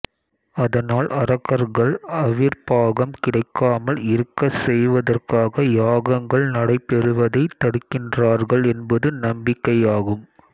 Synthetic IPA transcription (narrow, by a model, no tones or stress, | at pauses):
ɐðɐnaːlʔɐɾɐɣɐɾɣɐɭɐʋɪɾpaːɣɐmkɪɽɐɪkːaːmɐlɪɾɯkːɐsɛjʋɐðɐrkaːɣɐjaːɣɐŋɡɐɭnɐɽɐɪpːɛɾɯʋɐðɐɪt̪ːɐɽɯkːɪndraːɾɣɐɭɛnbɐðɯnɐmbɪkːɐjaːɣɯm